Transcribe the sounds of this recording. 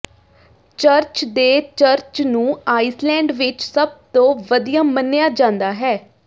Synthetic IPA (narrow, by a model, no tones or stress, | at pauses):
t͡ʃəɾt͡ʃd̪eːt͡ʃəɾt͡ʃnũːaːislɛ̃ːɳɖʋɪt͡ʃsəb̚t̪õːʋəd̪ijaːmənːjaːd͡ʒãːnd̪aːɦɛː